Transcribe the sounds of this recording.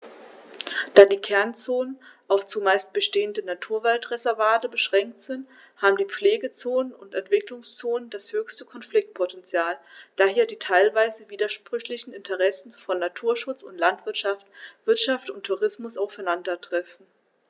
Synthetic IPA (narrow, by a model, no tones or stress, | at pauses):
d̥aːdiːkʰɛɐnt͡soːnənʔaʊft͡sumaɪst̚b̥əʃteːəndənatʰuːɐvaltʁɛzɛɐvaːtəbəʃʁ̥ɛŋk̚tz̥ɪnt | haːbm̩diːp͡fleːɡət͡soːnənʊntɛntv̥ɪklʊŋst͡soːnənd̥ashøːçstəkʰɔnflɪk̚t̚pʰɔtɛnt͡sjaːld̥aːheːɐdiːtʰaɪlvaɪzəviːdɐʃpʁ̥ʏçlɪçn̩ɪntʰəʁɛsn̩fɔnːatʰuːɐʃʊt͡sʊntlantv̥ɪɐtʃaftv̥ɪɐtʃaftʊntʰːuʁɪsmʊsaʊfaɪnandɐtʁ̥ɛfn̩